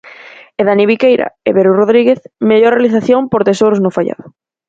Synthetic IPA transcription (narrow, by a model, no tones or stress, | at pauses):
eðaniβ̞ikejɾa̰eβeɾuroðɾiɣeθmeʎoɾrealiθaθjompoɾt̪esoɾʊznʊfaʎa̰ðʊ